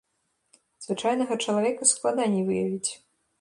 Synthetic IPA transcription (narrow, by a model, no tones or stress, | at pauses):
z̥vɨt͡ʂajnɐɣɐt͡ʂɐlˠavʲɛkɐsklˠad̪anʲivɨjɐvʲit͡sʲ